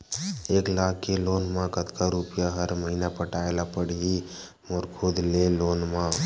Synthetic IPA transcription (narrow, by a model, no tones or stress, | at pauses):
eːklaːkːeloːnmãkət̪kaɾupjaɦəɾməɦiːnapəʈaːelapəɽi | moɾkʰoːd̪leloːnmã